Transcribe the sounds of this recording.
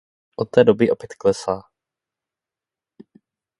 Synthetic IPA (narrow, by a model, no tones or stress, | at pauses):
ʔot̪̚ːɛːdobɪʔopjɛt̪klɛsaː